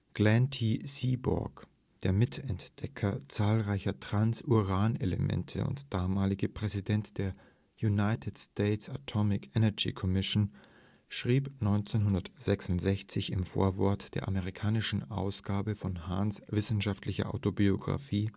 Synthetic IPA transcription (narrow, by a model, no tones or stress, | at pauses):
ɡ̥lɛntʰisiːbɔ̰ɐk | d̥eːɐmɪtʰɛntd̥ɛkʰɐt͡saːlʁaɪçɐtʁ̥ansuʁaːnelə̰mɛ̰ntʰə̰ʊ̰ntd̥aːmaːlɪɡəpʁ̥ɛzidɛntd̥eːɐ | junaɪtʰɪtstʰeːtsatʰɔmɪkʰɛnɛɐɡḭkʰɔmɪʃn | ʃʁ̥iːpnɔʏnt͡senɦʊndɐtz̥ɛksʊntz̥ɛçt͡sɪçɪmfo̰ːɐvɔɐtd̥eːɐʔaməʁikʰaːnɪʃn̩ʔa̰ʊsɡ̥aːbəfɔnhansv̥ɪsn̩ʃaftlɪçɐ̰ʔa̰ʊtobioɡʁa̰fiː